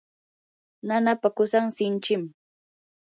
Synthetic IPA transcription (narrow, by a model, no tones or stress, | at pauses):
nanapakʊsaŋsɪnt͡ʃɪm